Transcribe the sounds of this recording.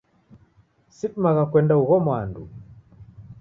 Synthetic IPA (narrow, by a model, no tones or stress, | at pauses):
sitmaɣakwɛndauɣɔmwandṵ